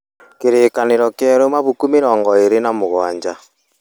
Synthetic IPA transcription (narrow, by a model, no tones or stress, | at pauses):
keɾeːkaneɾɔkjɛɾomaβukumeɾɔːŋɡɔeɾenamoɣwa̰ːɲd͡ʒa